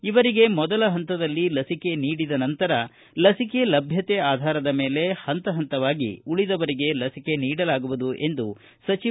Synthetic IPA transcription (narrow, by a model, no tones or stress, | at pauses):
iʋɐɾiɡe̞mɔd̪ɐlɐɦɐnt̪ɐd̪ɐlːilɐsike̞niːɽid̪ɐnɐnt̪ɐɾɐ | lɐsike̞lɐbʱjɐt̪eaːd̪ʱaːɾɐd̪ɐme̞ːle̞hɐnt̪ɐɦɐnt̪ɐʋaːɡḭuɭid̪ɐʋɐɾiɡe̞lɐsike̞niːɽɐlaːɡuʋud̪uʔe̞nd̪u | sɐt͡ʃi